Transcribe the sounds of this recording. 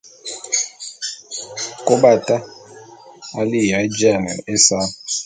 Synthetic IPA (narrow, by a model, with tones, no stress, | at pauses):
kʼo˦ɓa˦˨tʼa˦ | a˦li˦ja˨˦d͡ʒa˦˨ŋa̰˨ʔɛ˦sa˦